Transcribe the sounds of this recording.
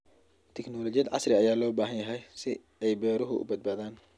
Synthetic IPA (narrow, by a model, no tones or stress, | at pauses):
t̪ʰɛknɔːlɔt͡ʃjɐd̪ʕɑsrɪɐjaːlɔːbaːɦɐnjɐɦɛjsɪ | ɛjbɛːɾʊɦʊʊ̰bɐd̪̚baːðaːn